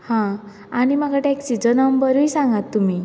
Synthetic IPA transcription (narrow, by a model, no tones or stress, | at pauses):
hã | animaɡaʈɛksid͡zənəmbəɾujsãŋɡat̪ːumi